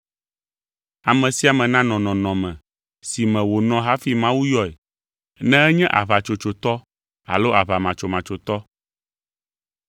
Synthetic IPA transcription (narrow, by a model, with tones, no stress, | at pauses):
a˨mɛ̃˨si˦a˨mɛ̃˨nã˦nɔ̃˨nɔ̃˨nɔ̃˨mɛ̃˨ | si˨mɛ̃˨wo˨nɔ̃˨ɦa˦fi˦mã˦wu˦jɔ˨ɛ˨ | nɛ̃˦ɛ˦ɲɛ̃˦ʔa̰˨βa˨t͡ʃo˨t͡ʃo˨t̪ɔ˦ | a̰˨lo˦ʔa˨βa˨mã˨t͡ʃo˨mã˨t͡ʃo˨t̪ɔ˦